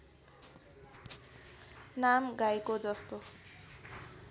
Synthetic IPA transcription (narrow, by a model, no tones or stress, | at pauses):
namɡajkod͡zʌst̪o